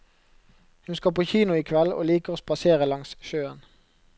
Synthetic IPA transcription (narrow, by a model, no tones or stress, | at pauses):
hʉnskoːpʰoːçiːnʊiːkʰʋɛlo̰ːliːkəʁoːspɑseːʁəlɑŋsʃøːən